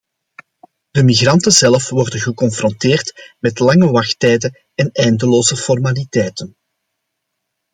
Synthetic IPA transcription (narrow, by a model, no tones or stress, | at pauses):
d̥əmiɣrɑntənzɛlfʋɔrdənɣəkɔnfrɔnteːrtmɛtlɑŋəʋɑxtɛjdə | ɛnɛjndəloːzəfɔrmalitɛjtən